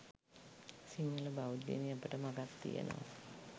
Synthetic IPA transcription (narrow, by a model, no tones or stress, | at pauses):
siŋːələbaud̪ḛniapəʈəmaɡat̪ːḭjḛno̰ʋa̰